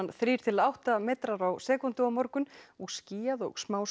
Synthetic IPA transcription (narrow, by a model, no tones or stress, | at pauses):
nθɾiːɾ̥t̪ʰɪlawht̪amɛːt̪ɾaɾawsɛːkunt̪ɪɔmɔɾkʏnɔɣsciːjaðɔ̰ɣsmaːws